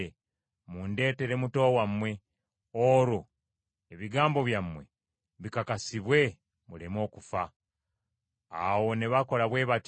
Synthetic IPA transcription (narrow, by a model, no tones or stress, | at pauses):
e | munde̞ːte̞ɾe̞muto̞wamwe̞ | oɾo | eβiɡaːmbo̞βjamːwe̞̰ | βikakasiβwe̞ | mulemo̞ːkufa | a̰wo̞ne̞βako̞laβwe̞ːβat